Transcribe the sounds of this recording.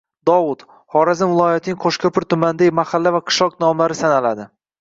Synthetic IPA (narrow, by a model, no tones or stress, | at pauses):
d̪ɒvʊt̪ | hɒɾazɪnvɪlˠɒjat̪ʰɪnɪŋqʰoʃkʰʲapɪɾt̪ʰʊmand̪ajmahalːavaqʰɨ̥ʃlɒqnɒmlaɾɪsanalad̪ɪ